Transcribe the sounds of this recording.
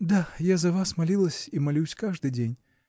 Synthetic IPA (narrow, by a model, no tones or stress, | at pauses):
d̪ajazɐvasmalʲilˠəsʲimalʲuwsʲkaʐd̪ɨd͡zʲenʲ